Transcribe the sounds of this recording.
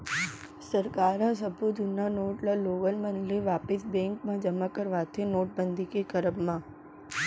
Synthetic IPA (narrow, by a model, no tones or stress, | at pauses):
səɾkaɾnãs̬əbʱud̪ʱunanoʈlaloʋəlmənliʋapɪsbɛ̃ŋkmãd͡ʒəmãkəɾʋat̪ʰenoːʈ̚bənd̪ʱikekəɾəbmã